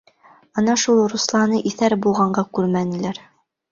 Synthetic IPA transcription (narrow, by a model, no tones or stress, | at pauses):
ɤnɑʃulˠɾuslˠɑnɤʔiθæɾbulˠʁɑɴɢɑkʉɾmænɘ̆læɾ